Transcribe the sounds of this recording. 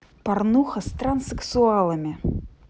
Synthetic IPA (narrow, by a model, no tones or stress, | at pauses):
parnuxɐst̪ɾɐnsɨksualˠɐmʲi